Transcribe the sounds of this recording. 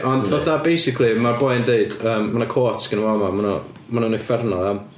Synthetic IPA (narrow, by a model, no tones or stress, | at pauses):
ʔɔnvɔθabejsɪkʰlˠimabɔjndeɨd̥əːmːanakʰoːtsɡ̥ənwamamanɔ | manɔnefɛrnɔðˠam